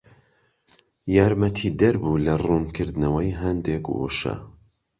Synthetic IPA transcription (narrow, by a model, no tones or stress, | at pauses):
jaːɾmɐt̪ʰid̪ɐɾbuːlɐruːnkʰɨɾd̪nɐwɐjɦɛnd̪eko̰ʃɐ̰